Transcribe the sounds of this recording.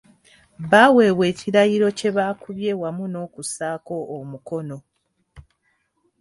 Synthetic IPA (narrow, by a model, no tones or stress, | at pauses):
βaːwe̞ːwe̞ːciɾajiɾo̞ce̞βaːkuβje̞wamuno̞ːkusaːko̞ːmuko̞no̞